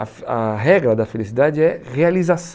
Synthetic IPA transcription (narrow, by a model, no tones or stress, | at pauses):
ɐfɐɦɛɡlɐd̪ɐfelisid̪ad͡ʒɪɛʁealizas